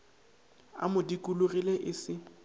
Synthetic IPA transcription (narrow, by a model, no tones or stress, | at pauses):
a̰mʊdikʼulʊrileʔɪsɪ